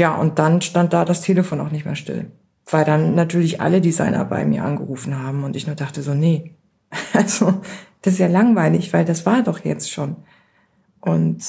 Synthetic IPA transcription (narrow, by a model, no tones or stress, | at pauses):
jaːʔʊ̰nt̚d̥anʃtant̚d̥aːdastʰeːləfoːnaʊxnɪçtmḛːɐʃtɪ̰l | v̥aɪldanːatʰyːɐlɪçʔa̰lədiza̰ɪnʔɐ̰ba̰ɪmḭːɐʔa̰nɡəʁuːfn̩ɦaːbm̩ʊntɪçnuːɐdaχtəzoːnə | ʔalz̥od̥assjaːlaŋvaɪlɪçv̥aɪldasv̥aːɐdɔχjɛ̰t͡stʃoːn | ʔʊnt